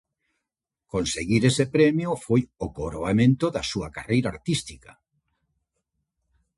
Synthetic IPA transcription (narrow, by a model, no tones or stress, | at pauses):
konseɣiɾesepɾɛmjofojokoɾoamẽnt̪oðasuakarejɾaːɾt̪ist̪ika